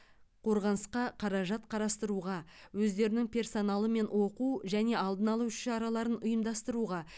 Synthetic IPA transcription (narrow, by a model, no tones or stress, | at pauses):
qʰo̞ɾʁɑnəsqɑqʰɑɾɑʒɑt̪qʰɑɾɑst̪əɾuʁɑwɵzd̪e̞ɾɪnɪŋpʰʲe̞rso̞nɑlˠəme̞nwo̞quʒæne̞ɑlˠd̪ənɑlˠuʃɑɾɑlˠɑɾənʊjəmd̪ɑst̪əɾuʁɑ